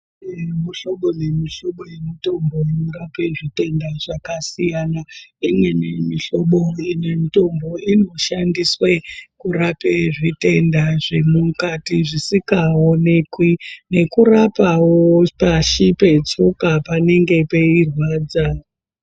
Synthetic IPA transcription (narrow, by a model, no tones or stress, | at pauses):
muɬo̞ɓo̞nemiɬo̞ɓo̞je̞mito̞mbo̞inoɾape̞ʐite̞ndaʐakasijanaimwe̞nemiɬo̞ɓo̞ine̞mito̞mbo̞ino̞ʃandiswekuɾapeʐite̞ndaʐe̞mukatiʐisikaonekwine̞kurapawopaʃipe̞t͡sokapane̞ŋɡe̞pe̞irwaːd͡za